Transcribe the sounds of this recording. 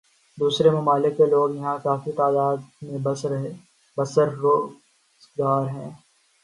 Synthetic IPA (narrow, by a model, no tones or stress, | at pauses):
d̪uːsɾemʊmaːlɪkːeloːɡjɐɦãkaːfit̪aːd̪aːd̪mẽbɐɾe | bɐsəɾːoː | zɡaːɾɦɛ̃ː